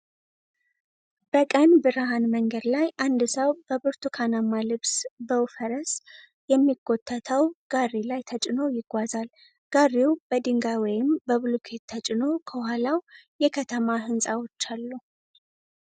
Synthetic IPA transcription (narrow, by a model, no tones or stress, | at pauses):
b̥əkʼənbɨɾaɦanməŋɡəd̪lajʔand̪səwb̥əbɨɾt̪ʰukʰanamːalɨβsbəwfəɾəs | jɛmːiɡːo̞t̪ʰʼːət̪ʰəwɡ̥arːilajt̪ʰət͡ʃʼɪno̞jɪɡʷazal | ɡ̥ariwbəd̪ɨŋɡawɔjɪmbəβɨlukʰett̪ʰːət͡ʃʼɪno̞kʰəwhalawjɛkʰət̪ʰəmaɦɨnsʼawo̞t͡ʃːalːu